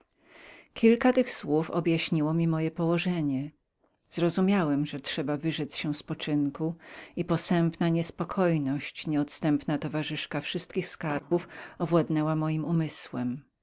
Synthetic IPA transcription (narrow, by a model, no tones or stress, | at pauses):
kʲilkat̪ɘxswufɔ̰bjaɕɲiwɔmʲimɔjɛpɔwɔʐɛɲɛ | z̥ɾɔzumʲjawɛmʐɛtʂɛbavɘʐɛsɕɛ̃spɔt͡ʂɘŋkuipɔsɛmpnaɲɛspɔkʰɔjnɔɕt͡ɕɲɛɔt̪st̪ɛmpnat̪ɔvaʐɘʂkafʂɘst̪̚kʲixskaɾbufɔvwad̪nɛwamɔjimumɘswɛm